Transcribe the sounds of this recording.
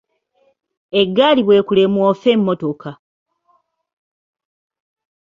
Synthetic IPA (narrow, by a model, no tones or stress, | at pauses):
eɡːaːliβweːkule̞mwoːfeːmːoto̞ka